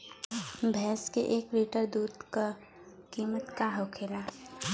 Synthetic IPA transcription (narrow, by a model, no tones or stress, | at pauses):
bʱɛːskeʔeːkʋiːʈəɾd̪uːd̪ka | kiːmət̪kaɦoʊkʰeːla